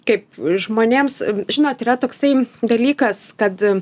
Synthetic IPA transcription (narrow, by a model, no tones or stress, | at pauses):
kɐɪp̚ʒmoːnʲeːmsʒʲɪnoːt̪iːrɐt̪oːksɐɪd̪ɐlʲiːkɐskɐt̪